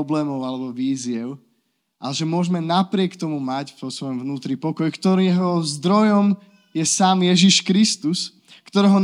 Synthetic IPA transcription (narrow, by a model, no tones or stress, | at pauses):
ɔblɛːmɔʊalɛbɔʋiːzɪɛʊ | ʔaɛʒɛmʊɔʒmɛnapɾɪɛkt̪ɔmumacvɔsʋɔjɔmvnuːt̪ɾipɔkɔjkt̪ɔɾɛɦɔzd̪ɾɔjɔm | jɛsaːmjɛʒiʃkɾist̪us | kt̪ɔɾɛːɦɔn